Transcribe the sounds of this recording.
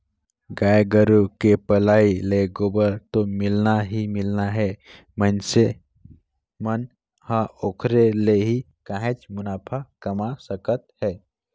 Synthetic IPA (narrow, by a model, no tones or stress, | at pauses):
ɡaːjɡəɾukepəlaːileɡobəɾt̪omɪlnaɦimɪlnaɦɛ | mənse | mən | hãokʰɾeleɦi | kãɦẽt͡ʃmʊnaːpʰakəmasəkət̪hɛː